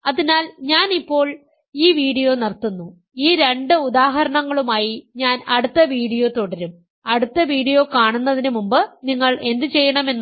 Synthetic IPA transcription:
ɐðinaːlɲaːnipːo̞ːɭ | iːʋiːɽijo̞ːnirt̪ːunːu | iːɾe̞ɳɖɨud̪aːɦɐɾɐɳɐŋːɐɭumaːjiɲaːnɐɽut̪ːɐʋiːɽijo̞ːt̪oɽɐɾum | ɐɽut̪ːɐʋiːɽijo̞ːkaːɳunːɐðinumumbɨniŋːɐɭe̞nd̪ɨt͡ɕe̞jːɐɳɐme̞nː

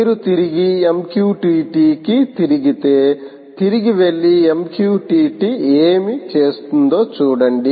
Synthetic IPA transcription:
ɾut̪iɾiɡiemkjuːʈiːʈiːkit̪iɾiɡit̪e | t̪iɾiɡiʋelːiemkjuːʈiːʈieːmit͡ʃeːst̪und̪oːt͡ʃuːɽɐɳɖi

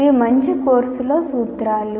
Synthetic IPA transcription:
iːmɐɲt͡ʃikoːɾsuloːsuːt̪ɾaːlu

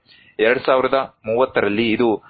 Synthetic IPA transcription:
ɛɾɐɽusaːʋiɾɐd̪ɐmuːʋɐt̪ːɐɾɐlːiːd̪u

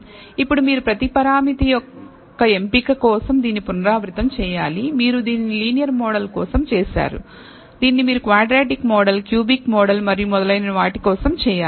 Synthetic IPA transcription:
ipːuɽumiːɾupɾɐt̪ipɐɾaːmit̪ijɔkː | ɐe̞mpikɐkɔːsɐmd̪iːnːipunɐɾaːʋɾit̪ɐmt͡ʃɛːjaːlimiːɾud̪iːnniliːnijɐɾmɔːɽɐlkɔːsɐmt͡ʃɛːʃa̰ːɾṵ | d̪iːnːimiːɾukʋaːɖɾaːʈikmɔːɽɐlkjuːbikmɔːɽɐlmɐɾijumɔd̪ɐlɐjnɐɐʋaːʈikɔːsɐmt͡ʃɛːjaː

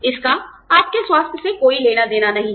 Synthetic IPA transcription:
ɪska | aːp̚keswaːst̪ʰjsekoːileːnad̪eːnanɐɦĩ

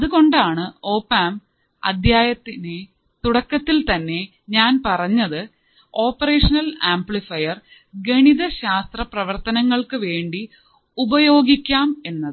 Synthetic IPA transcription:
ɐðuɣo̞ɳɖaːɳɨo̞ːpaːm | ɐ̰d̪ʱjaːjɐt̪ːine | t̪uɽɐkːɐt̪ːilt̪ɐnːe̞ | ɲaːnpɐrɐɲːɐðɨ | o̞ːpːɐreːʂɐnɐlaːmpɭifɐjɐr | ɡe̞ɳiðɐɕaːst̪rɐprɐʋɐrt̪ɐnɐŋːɐɭkɨʋe̞ːɳɖi | ubɐjo̞ːɡikʲːaːme̞nːɐðɨɨ

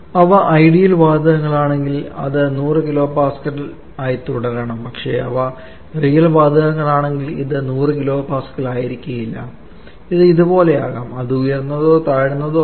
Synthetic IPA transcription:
ɐʋɐʔɐjɽijɐlʋaːd̪ʱɐɣɐŋːɐɭaːɳe̞ŋɡilɐ̰ðɨnuːrɨkilo̞ːpaːskɐʈːl | aːjt̪uɽɐɾɐɳɐmpɐkʂe̞̰ɐʋɐ | rijɐlʋaːd̪ʱɐɣɐŋːɐɭaːɳe̞ŋɡilḭðɨnuːrɨkilo̞ːpaːskːɐɭaːjiɾikʲːuɣɐjilːɐ̰ | iðɨiðubo̞ːle̞jaːɣaːmɐðɨujɐrnːɐðo̞ːt̪aːɽunːɐðo̞ː

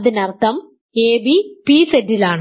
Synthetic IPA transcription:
ðinɐrt̪ɐm | eːbipiːsedilaːɳ

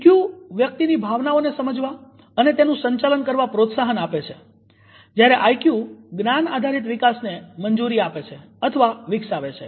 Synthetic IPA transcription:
kjuʋjək̚t̪inibʱaʋnaonesəməd͡ʒʋa | ənet̪enũsəɲt͡ʃalənkəɾʋapɾot̪saɦənapet͡ʃʰe | d͡ʒjaɾeʔajkjuɡnanad̪ʱaɾit̪ʋɪkasneməɲd͡ʒuɾiapet͡ʃʰe | ət̪ʰəʋaʋɪksaʋet͡ʃʰe

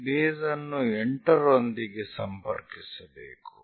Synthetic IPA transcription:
beːzɐnːueɳʈɐɾond̪iɡesɐmpɐ̰ɾkisɐbḛːku̥

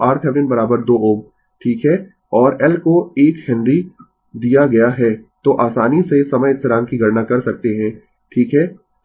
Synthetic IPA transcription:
aːɾt̪ʰɛʋɾɪnbɐɾaːbəɾd̪oːoːm | ʈʰiːkɦɛ | ɔːɾɛlkoeːkhɪ̃nd̪ɾi | d̪ijaɡɐjaɦɛt̪oːʔaːsaːnisesɐməjɪst̪ɪɾaːnkiɡɐɾnakɐɾsɐk̚t̪eɦɛ̃ː | ʈʰiːkɦɛː

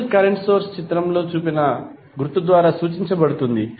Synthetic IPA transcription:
lkɐɾeɳʈsoːɾst͡ʃit̪ɾɐmlo̞ːt͡ʃuːpinɐ | ɡɾut̪ud̪ʋaːɾaːsuːt͡ʃiɲt͡ʃɐbɐɽut̪und̪i

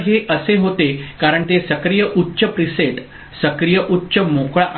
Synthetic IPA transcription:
ɦeʔəseɦot̪ekaɾəɳt̪esəkɾijəʔutːɕəpɾiseʈ | səkɾijəʔutːɕəmokɭaʔ

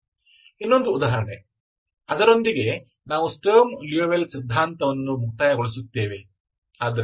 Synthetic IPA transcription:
inːo̞nd̪uːd̪aːɦɐɾɐɳe | ɐd̪ɐɾo̞nd̪iɡe̞ | naːʋusʈoːmlioʋelsid̪ʱːaːnt̪ɐʋɐnːumuk̚t̪aːjɐɡoɭis̬ut̪ːeːʋe | aːd̪ɐɾ

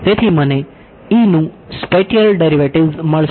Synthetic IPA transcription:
t̪et̪ʰiməne | inũ | speʃəlɖeɾiʋəʈiʋzməɭs

